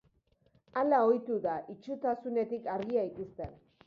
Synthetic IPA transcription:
alao̞jt̪uðaʔit͡ʃut̪asune̞t̪ikaɾɣiaik̪ist̪e̞n

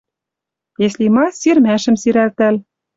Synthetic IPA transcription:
eslimɑsirmæʃɘ̆msiɾælt̪æl

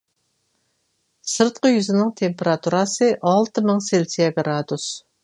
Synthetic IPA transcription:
sɨɾt̪̚qəjyzɪnɪŋt̪ʰempeɾɑt̪ʰuɾɑsəʔɑlˠt̪əmɨŋselsɛɡɾɑd̪us

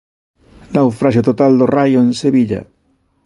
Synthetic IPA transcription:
nawfɾaʃ̬jot̪ot̪ald̪orajoenseβiʎa̰

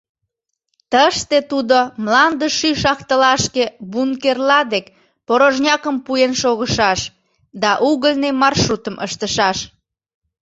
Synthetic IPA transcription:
t̪əʃt̪et̪ud̪omlɑnd̪əʃyʃɑxt̪əlɑʃkebunkerlɑd̪ek | poɾoʒnʲɑkəmpujenʃoɣəʃɑʃ | d̪ɑʔuɣəlʲnemɑrʃrut̪əmʔəʃt̪əʃɑʃ

